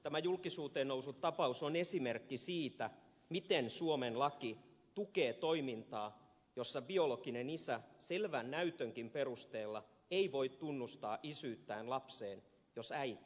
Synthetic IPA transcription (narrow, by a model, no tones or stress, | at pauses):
t̪æmæjulkisuːt̪eːnousut̪tːɑpɑusonesimerkːisiːt̪æ | mit̪ensuomenlɑki | t̪ukeːt̪oimint̪ɑː | josːɑbiolokinenisæselʋænnæyt̪øŋkimperust̪eːlːɑ | eiʋoit̪t̪unːust̪ɑːʔisyːt̪ːæːnlɑpseːn | josæi